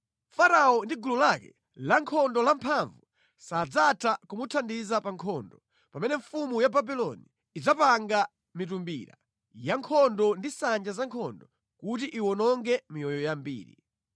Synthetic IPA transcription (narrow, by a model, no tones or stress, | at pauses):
faɾaɔndiɡululakɛ̰ | laŋkʰɔndɔlampʰaɱvu | sad͡zatʰakumutʰandizapaŋkʰɔndɔ | pamɛnɛɱfumujababilɔniː | d͡zapaŋɡa | mitumbḭɾa̰ | jaŋkʰɔndɔndisand͡ʒazaŋkʰɔndɔ | kut̬iʔiwɔnɔŋɡɛmijɔjɔjambḭːɾḭ